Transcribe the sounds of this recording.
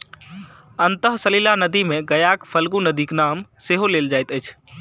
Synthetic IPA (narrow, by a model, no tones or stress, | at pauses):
ənt̪əɦsəlilanəd̪imẽɡəjaːkpʰəlɡunəd̪iːknaːmseɦoleːld͡ʒaːɪt̪əːt͡ʃʰ